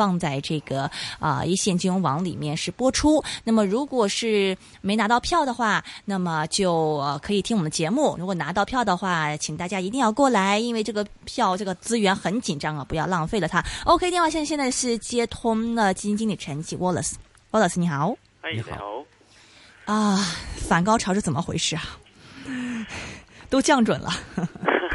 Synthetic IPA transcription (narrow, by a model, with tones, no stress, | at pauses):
ɑ˥˧ŋt͡sa˥˧ɪʈ͡ʂɤ˥˩ɡə˩ə̰˧i˥˧ɕjɛ˥˩nt͡ɕy˥ŋwɑ˧˥ŋlḭ˨˩mjɛ˥˧nʂɻ̩˥˩pwɔ˥ʈ͡ʂʰu˥na˥˩mə˩ɻu˧˥kwɔ˨˩ʂɻ̩˥˩ | me˧˥ɪna˧˥t̪ɑ˥˧ʊpʰjɑ˥˩ʊd̪ə˩xwa˥˩na˥˩mə˩t͡ɕjo˥˩ʊə˧˩kʰɤ˧˥i˨˩t̪ʰi˥ŋwɔ˨˩d̪ə˧t͡ɕjɛ˧˥mu˥˩ɻu˧˥kwɔ˨˩na˧˥t̪ɑ˥˧ʊpʰjɑ˥˩ʊd̪ə˩xwa˥˩t͡ɕʰi˨˩ŋt̪a˥˩t͡ɕja˥i˧˥t̪i˥˧ŋjɑ˥˧ʊkwɔ˥˩la˧˥ɪi˥nwe˥˧ɪʈ͡ʂɤ˥˩ɡə˩ | pʰjɑ˥˧ʊʈ͡ʂɤ˥˩ɡə˩t͡sɹ̩˥ɥɛ˧˥nxə˧˥nt͡ɕi˨˩nʈ͡ʂɑ˥ŋə˨˩pu˧˥jɑ˥˧ʊlɑ˥˧ŋfe˥˩ɪlə˩t̪ʰa˥o˥˧ʊkʰɪt̪jnxwa˥˩ɕɛ˥˧˥ɕjɛ˥˧nt͡sa˥˧ɪʂɻ̩˥˩t͡ɕjɛ˥t̪ʰʊ˥ŋd̪ə˨t͡ɕi˥t͡ɕi˥ŋli˨˩ʈ͡ʂʰə˧˥n˧˩t͡ɕʰi˧˥wɔ˥˩lə̰˨˩s̩˥ | wɔ˥˧lə˧˩sni˧˩xɑ˨˩˦ʊ̰˧˥˨ | ə˧fa˨˩nkɑ˥ʊʈ͡ʂʰɑ˧˥ʂɻ̩˥˩t͡sə˨˩mə˦˥xwe˧˥ɪʂɻ̩˥a˩ | t̪o˥ʊt͡ɕjɑ˥˩ŋʈ͡ʂwə̰˨˩nlʔə̰˦